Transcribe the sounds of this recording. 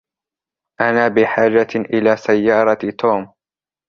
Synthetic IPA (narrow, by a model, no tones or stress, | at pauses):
ʔanaːbɪħaːd͡ʒaʔɪlaːsajːɑːɾˤɑt̪ʰoːm